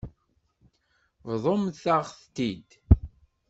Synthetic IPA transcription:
vðˤomθaʁθt̪ːid̪

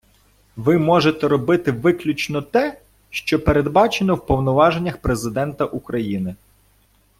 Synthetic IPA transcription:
ʋɪmɔʒet̪ɛɾɔbɪt̪ɪʋɪklʲut͡ʃnɔt̪ɛ | ʃt͡ʃɔpeɾe̞d̪bɑt͡ʃenɔwpɔwnɔʋɑʒe̞nʲːɐxpɾe̞zɪd̪ɛnt̪ɐʔukɾɐjinɪ

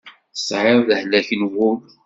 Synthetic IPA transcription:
θsˤʕeɾˤðəhlæçənwʊ

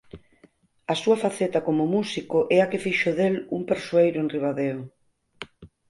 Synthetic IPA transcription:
ɐsuɐfaθet̪ɐkomʊmusikʊʔɛakefiʃʊðeluŋpeɾsoejɾʊenriβaðeo

